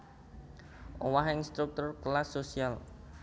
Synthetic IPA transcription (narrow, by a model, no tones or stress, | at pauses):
ʔowaɦɪŋst̪ɾuk̚t̪ʊrklasːosial